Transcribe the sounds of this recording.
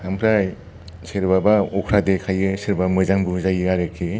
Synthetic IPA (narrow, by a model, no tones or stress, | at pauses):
ampʰɾaj | seɾbabaɔkʰɾadekʰajɯseɾbamɯzaŋbɯzajiɾaɾekʰːe